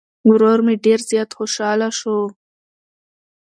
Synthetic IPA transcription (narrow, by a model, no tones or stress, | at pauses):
wɾoɾmeɖeɾzjɑt̪xoʃɑlaʃo